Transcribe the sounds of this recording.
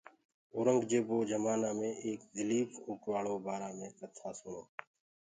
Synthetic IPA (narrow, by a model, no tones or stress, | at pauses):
oːɾəŋɡd͡ʒeːboːd͡ʒəmaːnaːmẽːʔeːkzɪliːpʰʊːʈʋaːɭoːbaːɾaːmẽːsət̪ʰaːsʊɳoː